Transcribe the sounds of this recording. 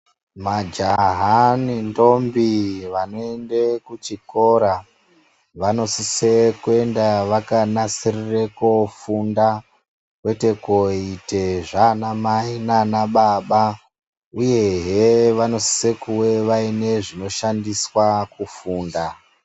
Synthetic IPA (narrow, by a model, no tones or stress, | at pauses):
mad͡ʒaɦanindo̞mbiʋano̞e̞ndekut͡ʃiko̞ɾa | ʋano̞sise̞kue̞ndaʋakanasirirekofunda | kwe̞te̞koite̞ʐanamainanaɓaɓa | uje̞ɦeʋano̞si̥se̞kuwe̞ʋaine̞ʐino̞ʃandiswakufuːnda